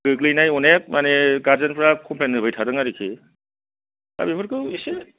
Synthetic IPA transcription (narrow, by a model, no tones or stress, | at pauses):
ɡɯklijnajɔnek̚maneɡaɾzanpɾakʰɔmpʰlenːɯbɯjtʰaɾɯŋaɾikʰi | a̰bibʰɯɾkɯisi